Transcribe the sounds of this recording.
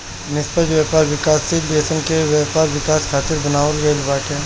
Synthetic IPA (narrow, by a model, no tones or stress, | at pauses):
nɪspəd͡ʒʋjaːpaːɾʋɪkaːsːileːsənkeʋjɛːpaːɾʋɪkaːskʰaːt̪ɪɾbɐnaːʋəlɡɐlbaːʈʰɛ̃ː